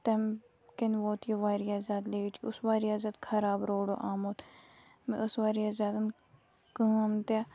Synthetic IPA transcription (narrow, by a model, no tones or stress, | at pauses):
t̪ɐm | kenʋoːt̪ʰjoʋaːɾijaːzaːt̪leːt͡ʃʰiʊsʋaːɾijaːzɐt̪kʰɐɾaːbɾoːɖo̰ːʔaːmoːt̪ | mḛ̃ʊsʋaːɾijaːzaːt̪ɐn | kəːmt̪a